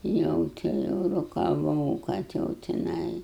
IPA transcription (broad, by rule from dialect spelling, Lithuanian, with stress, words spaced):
ˈjɛʊ tʲɪ ˈjɛʊ roːkɐˈʋɐʊ kɐt ˈjɛʊ tʲɪˈnɐɪ